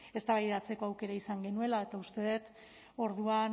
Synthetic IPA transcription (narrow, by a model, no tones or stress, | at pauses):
e̞st̪aβajðat͡se̞ko̞awke̞ɾaisaŋɡe̞nue̞lae̞t̪aust̪e̞ðet̪ | o̞ɾðua